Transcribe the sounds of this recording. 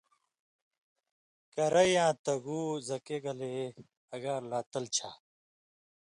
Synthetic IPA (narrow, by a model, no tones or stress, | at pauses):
kɐɾɐjãːt̪ɐɡuːzɐkeɡɐle | ɐɡaːɾlaːt̪ɐlt͡ɕʰa̰ː